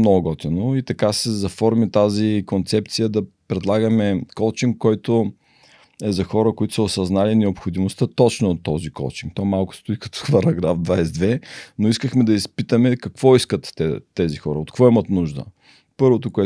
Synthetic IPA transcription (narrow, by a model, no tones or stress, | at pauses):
noɡɔt̪ɛnoit̪ɐkasɛzɐfɔɾmit̪azikont̪sɛp̚t̪sijəd̪ɐpɾɛd̪lˠaɡəmɛkɔlˠt͡ʃiŋkːɔjt̪o | ɛzɐxɔɾəkoit̪ʊ̥səosɐznalinɛopxod̪imost̪ət̪ɔt͡ʃnoot̪ːɔzikɔ̰lˠt͡ʃiŋk̚t̪ɔmalˠkʊ̥st̪ʊikɐ̥t̪ɔ̥xvɐɾɐɡɾafd̪vajsɛd̪vɛnoiskəxmɛd̪ɐispit̪əmɛkɐkvɔiskət̪ːɛzixɔɾəot̪kvɔimɐt̪nuʒd̪ə̰ | pɤɾvot̪okoɛ